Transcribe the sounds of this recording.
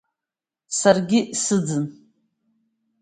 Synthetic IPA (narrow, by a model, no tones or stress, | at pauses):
sarɡʲɪsɨd͡zɨn